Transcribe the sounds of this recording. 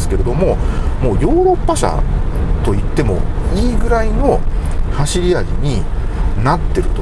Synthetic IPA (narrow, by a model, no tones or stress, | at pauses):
sɨ̥ke̞ɾe̞d̪o̞mo̞ | mo̞ːjo̞ːɾo̞pːaɕa̰t̪o̞it̪ːe̞mo̞̰ | iːɡɯ̟ɾaino̞haɕiɾʲiaʑiɲ̟i | nat̪ːe̞ɾɯ̟t̪o